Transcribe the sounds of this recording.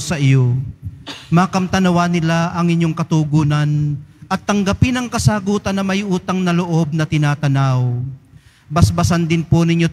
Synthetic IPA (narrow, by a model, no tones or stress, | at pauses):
sɐʔɪjo | makɐmt̪ɐnɐwanɪlaʔɐŋɪɲːo̞ŋkɐt̪uːɡuːnɐnʔɐt̪ːɐŋɡɐpɪnɐŋkɐsaːɡuːt̪ɐnːɐmɐjʔuːt̪ɐŋnɐloʔo̞b̚nɐt̪ɪnaːt̪ɐnaw | bɐsbɐsand̪ɪnponɪɲːo